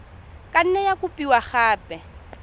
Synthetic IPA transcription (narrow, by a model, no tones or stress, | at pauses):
kʼan̩nɛjakʊpʼiwaχaːpʼɛ